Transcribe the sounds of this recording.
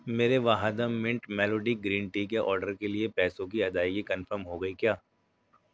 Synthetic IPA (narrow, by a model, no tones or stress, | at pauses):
meːɾeʋaːɦad̪əmmːɪ̃ɳʈmɛːloːɖiɡɾiːnʈiːkeʔɔ̰ːɾɖəɾkeliepɛːsõkiɐd̪aːikikɐnfəɾmɦoɡɐikjaː